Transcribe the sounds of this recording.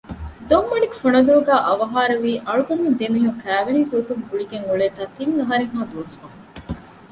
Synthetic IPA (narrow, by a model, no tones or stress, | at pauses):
d̪omːɐɽikfoɳɐd̪oːɡæːʔɐʋɐɦaːɾɐʋiːʔɐɭuɡɐmːend̪emiːɦuŋkæːʋeniːɡot̪umbuɭiɡeŋuɭeːt̪aːt̪iŋːɐɦɐɾeŋɦaːd̪uːsi̥fɐŋ